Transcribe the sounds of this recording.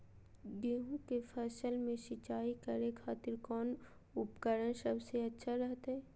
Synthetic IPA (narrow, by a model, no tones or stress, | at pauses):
ɡeːɦũkefʰəsəlmẽʃɪt͡ʃaːikəɾekʰaːt̪ɪɾkɔːn | ʊpkəɾənsəbseɐtːʃʰaɾɛɦt̪aɦɛː